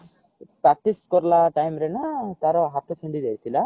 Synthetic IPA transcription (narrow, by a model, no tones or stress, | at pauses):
pɾak̚ʈiskɔɾlaʈajmɾenat̪aɾɔɦat̪ɔt͡ʃʰəɳɖid̪eɾt̪ʰila